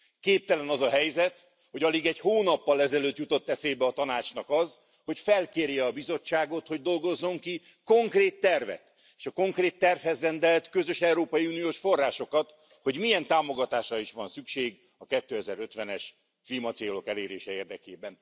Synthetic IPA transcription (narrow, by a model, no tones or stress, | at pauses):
keːp̚t̪ɛlɛnɒzɒɦɛjzɛt̪ | ho̞ɟɒliɡɛɟhoːnɒpːɒlɛzɛløːt̪jut̪o̞t̪ːɛseːbɛɒt̪ɒnaːt͡ʃnɒkɒz | ho̞cfɛlkeːrjɛɒbizo̞t͡ʃːaːɡo̞t̪ho̞ɟd̪o̞lɡo̞zːo̞ŋki | ko̞ŋkreːt̪ːɛrvɛ̰t̪ | eːʃɒko̞ŋkreːt̪ːɛrfhɛzrɛnd̪ɛlt̪kø̞zø̞ʃɛuɾoːpɒjiunijoːʃfo̞rːaːʃo̞kɒt̪ | ho̞ɟmijɛnt̪aːmo̞ɡɒt̪aːʃrɒiʃʋɒnsykʃeːɡ | ɒkɛt̪ːøːɛzɛɾø̞t̪ʋɛnɛʃ | klimɒt̪seːlo̞kɛleːɾeːʃɛeːrd̪ɛkeːbɛn